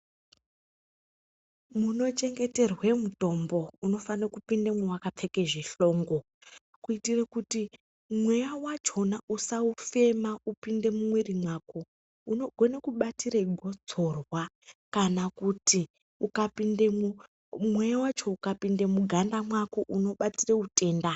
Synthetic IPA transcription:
muno̞t͡ʃe̞ŋɡe̞te̞rwe̞muto̞mbo̞uno̞fanokupindamwewakap͡fe̞ke̞ʐeɬo̞ːŋɡo̞ | kuitirekuti | mwe̞jawat͡ʃo̞nausaufe̞maupinde̞mumwerimwaːko | unoɡʱo̞ne̞kuɓatireɡʱo̞d͡zo̞rwa | kanakuti | ukapindeu | mwejawat͡ʃo̞ukapinde̞muɡʱandamwakoʔuno̞ɓatireute̞ːnda

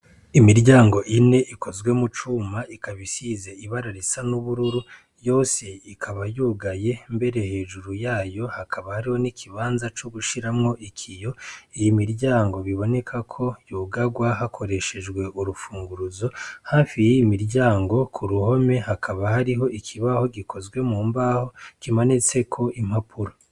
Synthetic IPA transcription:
imiɾɟaːŋɡo̞ʔine̞ʔikʰo̞zɡwe̞mut͡ʃuːmaikaβisizeiβaɾaɾisanuβuɾuɾu | jo̞ːse̞ikʰaβajuːɡaje̞mbe̞ɾe̞he̞ːʒuɾujaːjo̞hakʰaβahaɾiho̞nikʰiβaːnzat͡ʃoɡuʃiɾamŋo̞ʔikʰijo̞ijimiɾɟaːŋɡo̞βiβo̞ne̞kʰakʰo̞juːɡaɡwaɦakʰo̞ɾe̞ʃe̞d͡ʒɡwe̞ʔuɾufuːŋɡuɾuzo̞haːfijejimiɾɟaːŋɡo̞kʰuɾuho̞me̞hakʰaβahaɾiɦo̞ʔikʰiβaho̞ɡikʰo̞zɡwe̞muːmbaːho̞kimanit͡se̞kʰo̞ʔimhapʰuɾa

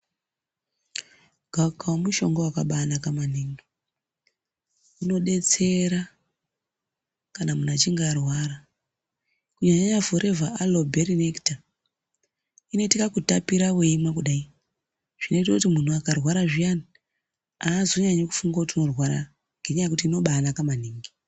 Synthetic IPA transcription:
ɡ̥ʱakʰawomuʃo̞̰ŋɡoakaɓanakamaneŋɡo | ino̞ɗe̞t͡se̞ɾa | kanamunat͡ʃiŋɡarwaːɾa | kuɲaɲaɲavoɾʔe̞vaʔalobʱeɾinekta | ino̞tikakutapiɾawe̞imwakuɗai | ʐ̥ino̞itokutimun̤uakarwaɾaʐijani | aːzo̞ɲaɲeku̥fuŋɡautino̞rwaɾa̰ | ŋɡe̞ɲajakutiːno̞ɓaːnakamaniːŋɡi

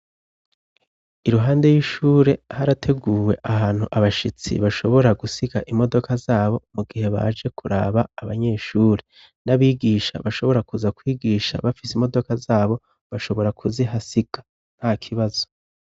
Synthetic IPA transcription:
iɾuɦaːnde̞jiʃuːɾe̞haɾatʰe̞ɡuːwe̞ʔaɦaːn̥huʔaβaʃit͡sḭβaʃo̞βo̞ɾaɡusiɡaʔimo̞do̞kʰazaːβo̞muɡihe̞βa̰d͡ʒe̞kʰuɾa̰ːβaːβaɲe̞ːʃuːɾe | naβiːɡiʃa̰βaʃo̞βo̞ɾakuzakwiːɡiːʃa̰βafisimo̞do̞kazaːβo̞ | βaʃo̞βo̞ɾakʰuziɦasiɡ̥a | n̥hakʰiβaz̥o̞

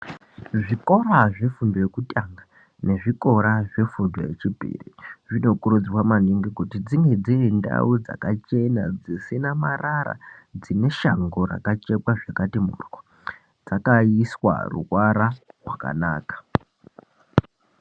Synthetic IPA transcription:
ʐiko̞ɾaʐe̞fundojekutʼaŋɡa | ne̞ʐiko̞ɾaʐe̞fundo̰jet͡ʃibʱḭrḭʐino̞kuɾud͡zwamaniŋɡikutid͡ziŋed͡ziinda̰ud͡za̰kat͡ʃe̞nad͡zesenamaraɾa̰d͡zine̞ʃaŋɡoɾa̰kat͡ʃe̞kwaʐakatimṵrko | d͡zakaiswa̰rṵwaɾawaka̰na̰ːkḁ

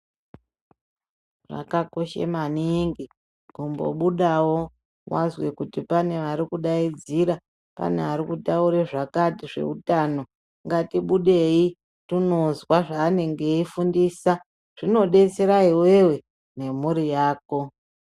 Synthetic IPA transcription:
ʐa̰kako̞ʃḛmaniŋɡi | kumbo̞̰ɓuɗawo̞ | wazwe̞kutipane̞ʋaɾikuɗaid͡ziɾa | pa̰ne̞aɾikutauɾeʐakatiʐe̞̰utano̞ | ŋɡatiɓuɗe̞i | tuno̞zwaʐaːne̞ŋɡe̞ifundisa | ʐ̥ino̞ɗe̞t͡se̞ɾaiwe̞we̞ | ne̞muɾijaːko̞

